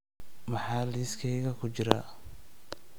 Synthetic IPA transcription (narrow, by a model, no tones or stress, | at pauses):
mɑħɑːliːskʰɛjɣɐkʰʊt͡ʃɪɾa̰